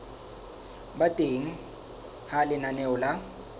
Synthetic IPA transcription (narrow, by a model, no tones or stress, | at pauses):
batʼeŋ̩ | halɪnanɛʊla